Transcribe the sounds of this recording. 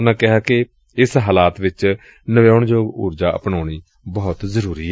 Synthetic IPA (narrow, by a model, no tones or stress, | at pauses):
nãːkɪɦaːkɪ | ɪsɦaːlaːt̪ʋɪt͡ʃ | nəʋaːʊɳd͡ʒoːɡʊ̰ːɾd͡ʒaːʔə̰pɳaːɳ̃iː | bɔːt̪zəɾuːɾiː